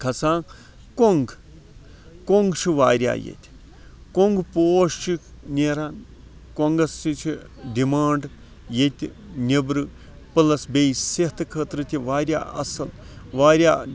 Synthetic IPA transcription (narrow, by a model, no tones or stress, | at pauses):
kʰɐsãː | koŋɡ | koŋɡt͡ʃʰiʋaːɾʲja̰ːjḛt̪ʰʲ | koŋɡpoːʃt͡ʃʰinʲeːɾaːn | koŋɡɐssit͡ʃʰi | ɖimaːɳɖ | jet̪ʲi | nʲibɾɨ | pɨlɐsbejseht̪ʰɨkʰəːt̪ɾɨt̪ʰʲiʋaːɾja̰ːɐ̰sɐl | ʋaːɾjaː